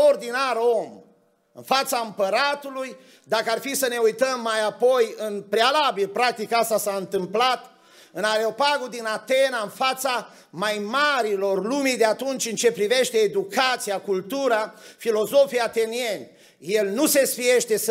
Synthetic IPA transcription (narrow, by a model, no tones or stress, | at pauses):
ord̪inaɾo̞m | ɨ̰nfat̪saɨmpəɾat̪uluj | d̪akəarfisəne̞ujt̪əmːajapo̞jɨnpɾealabilpɾak̚t̪ikast̪asaɨnt̪ɨmplat̪ | ɨnaɾeo̞paɡod̪inat̪e̞naɨnfat̪sa | majmaɾilo̞rlumid̪eat̪unt͡ʃʲɨnt͡ʃe̞pɾive̞ʃt̪e̞ːd̪ukat̪sijakult̪uɾafilo̞zo̞fijat̪e̞nie̞nʲ | jelnuse̞sfije̞ʃt̪e̞s